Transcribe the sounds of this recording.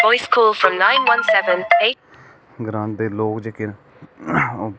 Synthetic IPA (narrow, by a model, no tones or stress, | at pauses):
ɔɪskʰɔːlˠfɹə̃mnãɪ̃nwʌ̃nsɛvə̃ne | ɡɾãːnt̪̚d̪eːloːkd͡ʒəkɪn | o